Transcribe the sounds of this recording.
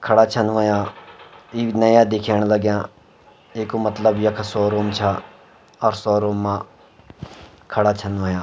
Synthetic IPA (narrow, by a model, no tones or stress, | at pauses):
kʰəɽaːt͡ʃʰənʋəːjãː | iːnəjãːd̪ɪkʰeːɳ̃ləɡjãː | eːkoːmət̪ləbjəkʰsɔːɾoːmt͡ʃʰaː | ɔɾsɔːɾoːmːãː | kʰəɽaːt͡ʃʰənʋəːjãː